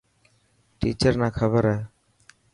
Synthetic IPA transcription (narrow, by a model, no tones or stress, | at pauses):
ʈḭt͡ʃəɾnakʰəbəɾa